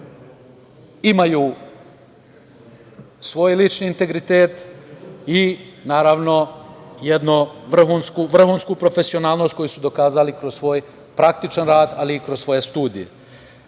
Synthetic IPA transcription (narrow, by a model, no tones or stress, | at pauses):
imajuː | sʋo̞ːjlit͡ʃniːnt̪e̞ɡɾit̪eːt̪ | inaːɾaːʋno̞jed̪nuʋr̩xuːnskuʋr̩xuːnskupɾo̞fe̞sio̞naːlˠno̞st̪̚ko̞jisud̪o̞kaːzalikɾossʋo̞ːj | pɾakt̪it͡ʃanɾaːd̪aliːkɾossʋo̞je̞st̪uːd̪ḭjḛ